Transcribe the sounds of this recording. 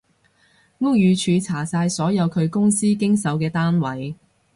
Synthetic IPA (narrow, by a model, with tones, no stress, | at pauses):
ŋʊ˥k̚jyː˨˧t͡ʃʰyː˨˧t͡sʰaː˨˩saː˧jsɔː˨˥jɐ˨˧wkʰɵ˨˧ɥkʊ˥ŋsiː˥kɪ˥ŋsɐ˨˥wkɛː˧t̪aː˥nwɐ˨˥j